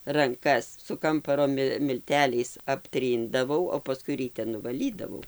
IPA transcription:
rɐŋˈkɐs sʊ ˈkɐmpɐroː ˈmʲɪ mʲɪlʲˈtʲæːlʲɛɪs ɐpʲˈtʲrʲiːndɐʋɐʊ oː pɐˈskʊɪ rʲiːˈtʲɛ nʊʋɐˈlʲiːdɐʋɐʊ

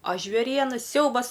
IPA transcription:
ɐ ʒʲʋʲeːˈrʲiɛnɐ ˈsʲɛʊbɐs

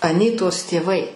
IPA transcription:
ɐˈnʲiːtoːs tʲeːˈʋɐɪ

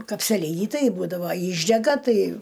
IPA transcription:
kɐpʲsʲɛˈlʲiːnʲɪ ˈtɐɪ ˈbuːdɐʋoː ˈiːʒʲdʲɛɡɐ ˈtɐɪ

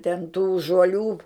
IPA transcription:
tʲɛn tuː ʒuɔˈlʲuː

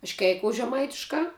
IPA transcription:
ɐʃ ˈkʲɛɪkoːʊs ʒʲɛˈmɐɪtʲɪʃkɑː

